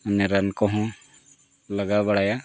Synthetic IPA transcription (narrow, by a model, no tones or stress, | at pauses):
nɛɾankɔɦɔ̃ | ləɡabəɽaja